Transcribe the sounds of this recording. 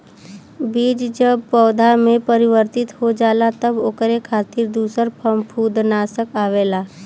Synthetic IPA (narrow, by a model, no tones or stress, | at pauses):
biːd͡ʒd͡ʒəbpɔːd̪ʱamẽpəɾɪʋəɾt̪ɪt̪ɦod͡ʒaːlat̪əboːkɾekʰaːt̪ɪɾd̪uːsəɾpʰəmpʰuːd̪naːsəkaːʋeːlaː